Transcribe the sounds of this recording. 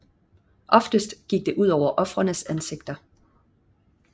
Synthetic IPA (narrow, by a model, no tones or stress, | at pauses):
ʔɒ̽fd̥əsd̥ɡ̥iɡ̥̚d̥e̝ʔuð̞̰ˠɒʊɐʔɒ̽fʁɐnəsænse̝ɡ̥̚d̥ɐ